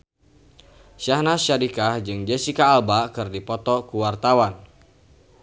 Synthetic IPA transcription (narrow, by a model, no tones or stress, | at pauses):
sahnaʃaɾikahd͡ʒɨŋd͡ʒesikaːlbakɨrdipɔt̪ɔkuwart̪awan